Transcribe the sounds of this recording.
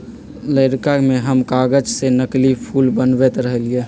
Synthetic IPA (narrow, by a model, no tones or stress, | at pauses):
ləɪɾkakmẽɦəmkaːɡəd͡ʒsenəklipʰuːlbənbet̪ɾəɦəlie